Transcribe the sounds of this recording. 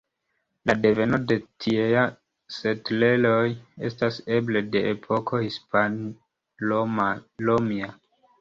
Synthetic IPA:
lade̞ve̞no̞de̞tʰieja | se̞tle̞lo̞je̞̰stase̞ble̞de̞ʔepʰo̞kʰo̞hispan | omalomia

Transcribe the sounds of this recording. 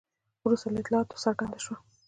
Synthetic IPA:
wɾust̪alaɪt̪lɑɑt̪o̥saɾɡɑnd̪aʃwa

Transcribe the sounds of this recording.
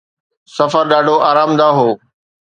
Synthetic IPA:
sɐfəɾɗaːɖʱoʔaːɾaːmd̪aɦoː

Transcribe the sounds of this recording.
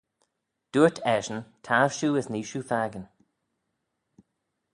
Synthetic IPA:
d̥uːtʰɛʒənt̪ʰaɹʃuːəzniːʃuːfaːɡən

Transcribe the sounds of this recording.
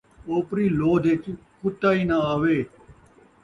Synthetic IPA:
oːpɾiːloːd̪ʱet͡ʃ | kʊt̪aːiːnaːaːʋeː

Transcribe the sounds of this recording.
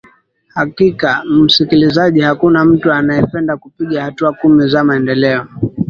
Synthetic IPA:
hakikam̩sikilizaʄihakunam̩tuanajɛpɛndakupiʄahatuakumizamaɛndɛlɛɔ

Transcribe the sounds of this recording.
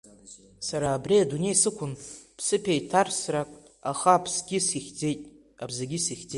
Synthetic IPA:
saɾaːbriadune̞jsɨkʷʰʊnpʰsɨpʰʲejtʰarsrakʼ | aχapʰsɡʲisiχʲd͡ze̞jtʼ | abzaɡʲisiχʲd͡ze

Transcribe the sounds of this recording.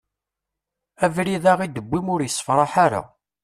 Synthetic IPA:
ævɾiðaʁid̪əbːimʊɾjəsːə̥fɾˤɑħaɾa̰

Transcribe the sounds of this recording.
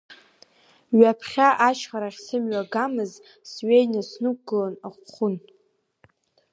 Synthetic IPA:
ɥapʰχʲaʔaʃχaɾaχʲsɨmɥaɡamɨz | sɥejnasnuk̚ɡɨlanaχʷχʷʊn

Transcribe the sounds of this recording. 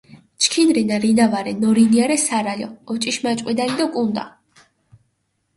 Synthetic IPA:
t͡ʃʰkʰinɾinaɾinavaɾɛnɔɾiniaɾɛsaɾaʎɔ̰ːt͡ʃʼiʃmat͡ʃʼqʼwid̪anid̪ɔkʼund̪a̰

